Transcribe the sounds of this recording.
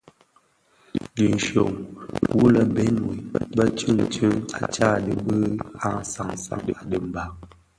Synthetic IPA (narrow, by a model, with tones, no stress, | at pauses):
di˨n˨ʃo̰˨ŋwu˦lə˦bɛ˦nwi˨bə˦t͡ʃʉ˦˨ŋt͡ʃə˦a̰˨t͡ʃa˦˨də˨bə˦a̰˦˨n˨sa˨ŋ˨sa̰˨˦ŋdə˨də˨m˨ba˨